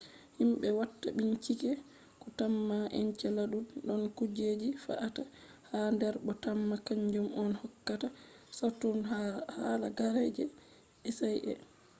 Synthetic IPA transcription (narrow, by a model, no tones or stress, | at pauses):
himɓɛwatːaɓiɲt͡ʃikɛ | kɔtamːaʔɛɲt͡ʃɛlaɗunɗɔnkud͡ʒed͡ʒifa̰ʔatahandɛɾɓɔtamːakaɲd͡ʒumɔnhɔkːatasatːunhala̰ɡaɾɛd͡ʒɛ | ɛsajʔɛ̰